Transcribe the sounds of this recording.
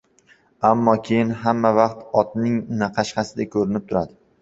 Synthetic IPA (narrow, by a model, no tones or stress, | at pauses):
amːɒkʲʰejɪnɦamːavɑqt̪ɒt̪nɪŋnaqʰɑʃqɑsɪd̪akʰɵɾɪnɪp̚t̪ʰʊɾad̪ɪ